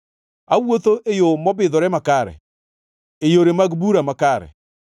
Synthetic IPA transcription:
awoθoʔejomɔbeðɔɾɛmakaɾɛ̰ | ejoɾemaɡbuɾamakaɾɛ̰

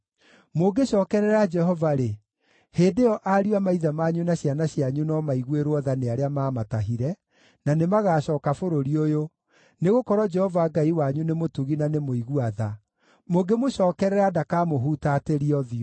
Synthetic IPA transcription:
moɡeɕɔːkɛɾɛɾad͡ʒɛɦɔvaɾe | heːdejɔʔaɾiwamaiðamaɲunaɕjanaɕiaɲunɔmaiɣweɾoɔðaneaɾeamaːmataɦiɾɛ | nanemaɣaːɕɔːkafoɾoɾiojo | neɣokɔɾɔd͡ʒɛhɔvaɡaiwaɲunemotuɣinanemoiɣuaða | moɡemoɕɔːkɛɾɛɾadakamoɦutateɾiɔðiɔ

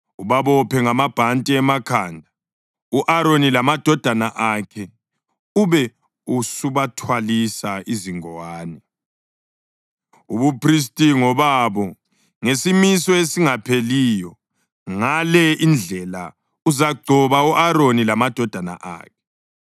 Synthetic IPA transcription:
uβaβɔpʰɛŋamab̥ʱantʼiɛmakʰaːndʱa | uʔaɾonilamad̥ʱɔd̥ʱanaʔakʰɛ | uβɛ | usuβatʰwalisaiziŋɔwaːnɛ | uβupʰris̬tʼiŋɔβaβɔ | ŋesimisɔesiŋapʰelijɔ | ŋalɛind͡ɮʱɛla | uzaɡ͡ǀʱɔβauʔaɾonilamad̥ʱɔd̥ʱana̰ʔa̰ːkʰɛ̥

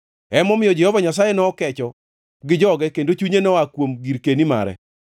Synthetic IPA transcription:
ɛmɔmɪjɔd͡ʒɛhɔvaɲas̬ajɛnɔːkɛt͡ʃɔ | ɡɪd͡ʒɔɡɛkendot͡ʃuɲenɔakwomɡiɾkenima̰ɾɛ̰

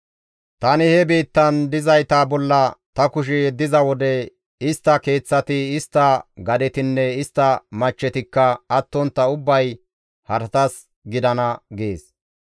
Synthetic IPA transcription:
t̪ɐnɪhɛbiːt̪ːɐnd̪ɪzɐjt̪aːbɔlːɐt̪ɐkʊʃ̬ɛjɛd̪ːɪzɐwɔd̪ɛ | ɪst̪ːɐke̞ːt͡sːɐt̪ɪɪst̪ːɐɡɐd̪ɛt̪ɪnːɛɪst̪ːɐmɐt͡ʃːɛt̪ɪkːɐːt̪ːɔnt̪ːɐʊbːɐj | hɐɾt̪ɐs | ɡɪd̪ɐnɐɡeːs

